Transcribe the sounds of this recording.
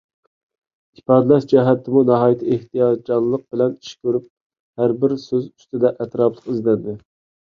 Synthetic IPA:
ipɑːd̪lɛsd͡ʒɛɦɛt̪ʰːɪmunɑɦɑːjit̪ʰɪeht̪ʰijɑd̪d͡ʒɑnlˠːəq̚bɪlɛni̥ʃkʲʰøɾyp̚ | hæɾbɪɾsøzy̥st̪ɪd̪ɛʔɛt̪ɾɑplˠə̥qizlɛnd̪ɪ

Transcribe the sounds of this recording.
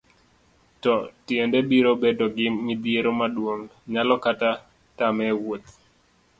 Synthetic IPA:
tɔtjendɛbiɾobedoɡɪŋid̪jeɾomadwoŋɲalɔkata | tamɛwot̪

